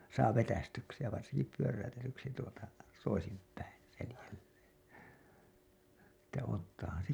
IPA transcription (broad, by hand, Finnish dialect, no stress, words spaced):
sɑː ʋetæstyksi jɑ ʋɑrsinki pyøræytetyksi tuotɑ toisimpˑæin̞ selælːeːn̞ etːæ otːɑːhɑn̞ se